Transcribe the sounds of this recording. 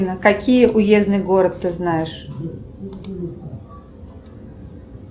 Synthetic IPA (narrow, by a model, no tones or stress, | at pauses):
nəkɐkʲijəʔʊjeznɨjɡo̞ɾət̪ːɨznajɪʂ